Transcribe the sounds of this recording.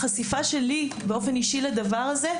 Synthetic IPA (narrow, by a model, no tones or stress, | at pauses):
χasifaʃe̞libeo̞fe̞niʃilad̪avaʁaze̞